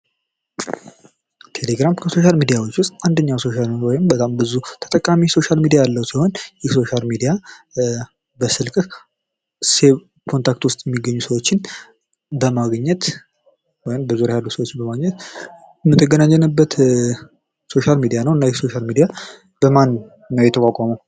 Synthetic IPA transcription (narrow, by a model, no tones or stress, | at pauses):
t̪ʰe̞le̞ɡɾamkʰəso̞ʃ̬almid̪ijawo̞t͡ʃːwʊst̪ʼʔand̪əɲːawso̞ʃaliwɔjɪmbət̪ʼambɨzut̪ʰə̥t̪ʼəkʼːamiso̞ʃalmid̪ijajalːəwsiho̞njɛso̞ʃalmid̪ija | bəsɨlkʼ | se̞ | kʰont̪ʰakt̪wʊst̪ʼjɛmːiɡːəɲːusəwo̞t͡ʃːɪn | bəmaɡɲːɛt̪ | wɔjɪmbəzuɾjajalːusəwot͡ʃːɪnbəmaɡɲɛt̪ | mːɨt̪ʰːɨɡənaɲːɛnɨbːət̪ | so̞ʃalmid̪ijanəwɨnːajɛso̞ʃalmid̪ija | b̥əmanː | əwjɛt̪ʰəkʷʼakʼaməw